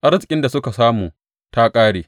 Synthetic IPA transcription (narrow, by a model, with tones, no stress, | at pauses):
ʔa˦ɾɐ˦kʲʼɪ˦nda˨sʊ˦ka˨saː˦muː˨ | ta˦kʼaː˦ɽeː˨